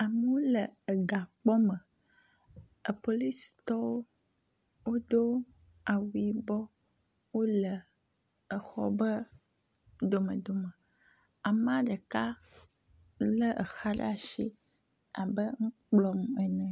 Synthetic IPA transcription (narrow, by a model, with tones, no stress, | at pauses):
a˨mə˨˦wo˦lə˨ə˨ɡa˨k͡pɔ˦mə̃˨ | ə˨po˨li˦si̥˨t̪ɔ˦wo˦ | wo˦d̪o˦ | a˨wu˨˦i˦bɔ˦ | wo˦lə˨ | ə˨xɔ̰˦bə˦ | d̪o˨mə̃˨d̪o˨mə̃˨ | a˨m˦a˦ɖə˨ka˦ | lə˦ʔə̰˨xa˦ɖa˦ʃḭ˦ | a˨bə˦ŋ̩̃˦k͡plɔ˦mɛ˨nɛ̃˨